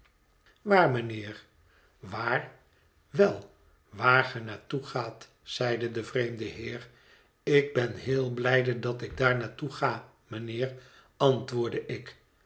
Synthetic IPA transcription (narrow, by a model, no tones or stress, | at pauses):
ʋaːɹmənɪːɹ | ʋaːr | ʋɛlˠ | ʋaːɹχənaːtuχaːt | sɛjdədəvrejmdəɦɪːr | ɪɡ̚bɛnɦɪːlˠblɛjdədɑtɪɡ̚daːɹnaːtuχaː | mənɪːɹ | ɑntʋʊːɹdəʔɪk